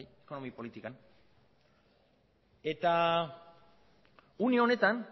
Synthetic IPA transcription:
jeko̞no̞mipo̞lit̪ikan | e̞t̪a | unione̞t̪an

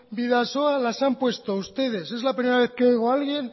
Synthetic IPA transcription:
biðaso̞alasampwe̞st̪o̞ust̪e̞ð̞e̞se̞zlapɾimeɾaβ̞e̞θkeojɣoalɣje̞n

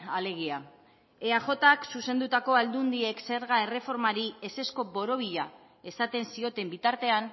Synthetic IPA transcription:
ale̞ɣia | eaxo̞t̪aksuse̞nd̪ut̪ako̞ald̪und̪ie̞kse̞ɾɣae̞re̞fo̞ɾmaɾie̞se̞sko̞bo̞ɾo̞β̞iʎa | e̞sat̪e̞nsio̞t̪e̞mbit̪aɾt̪e̞an

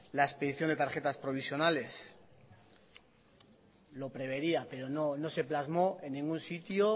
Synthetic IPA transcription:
laespe̞ðiθjo̞nd̪e̞t̪aɾxe̞t̪aspɾo̞β̞isjo̞nale̞s | lo̞pɾe̞β̞e̞ɾiape̞ɾo̞nono̞se̞plazmo̞e̞nːĩŋɡunsit̪jo

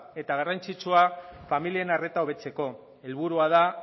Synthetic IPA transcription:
e̞t̪aɣ̞arant͡sit͡suafamilienare̞t̪ao̞β̞e̞t͡se̞ko̞ | e̞lβ̞uɾuað̞a

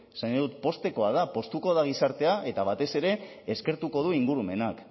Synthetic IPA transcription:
saɲoðut̪po̞st̪e̞ko̞að̞apo̞st̪uko̞ðaɣ̞isaɾt̪e̞aʔe̞t̪aβ̞at̪e̞se̞ɾe̞ː | ske̞ɾt̪uko̞ð̞uiŋɡuɾume̞nak

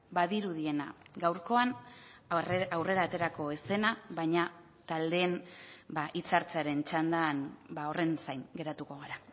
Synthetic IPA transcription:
baðiɾuðie̞na̰ɡawɾko̞an | awre̞ɾaːt̪e̞ɾako̞e̞se̞naβajɲa | t̪ald̪e̞ːnbaʔit͡saɾt͡saɾe̞nt͡ʃand̪aːnbao̞re̞nsajŋɡe̞ɾat̪uko̞ɣ̞aɾa

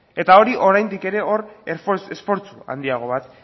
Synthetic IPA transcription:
e̞t̪ao̞ɾiʔo̞ɾajnd̪ike̞ɾe̞o̞refesfo̞ɾt͡sua̰nd̪iaɣ̞o̞β̞at̪

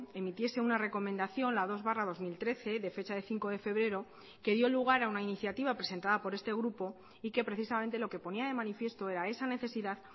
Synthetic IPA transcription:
e̞mit̪je̞se̞unare̞ko̞mẽ̞nd̪aθjo̞nlað̞o̞zβaraðo̞zmilt̪ɾe̞θe̞ðe̞fe̞t͡ʃaðe̞θiŋko̞ðe̞fe̞βɾe̞ɾo̞ | ke̞ðjo̞luɣ̞aɾaunainiθjat̪iβ̞apɾe̞se̞nt̪aðapo̞ɾe̞st̪e̞ɣ̞ɾupo̞ | ike̞pɾe̞θisamẽ̞nt̪e̞lo̞ke̞po̞niað̞e̞manifje̞st̪o̞e̞ɾae̞sane̞θe̞siðað

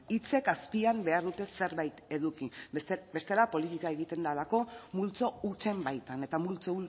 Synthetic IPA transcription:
it͡se̞kaspiambe̞aɾðut̪e̞se̞ɾβajt̪e̞ðukibe̞st̪e̞lapo̞lit̪ikaeɣit̪e̞nd̪alako̞mult͡so̞ut͡se̞mbajt̪ane̞t̪amult͡so̞u

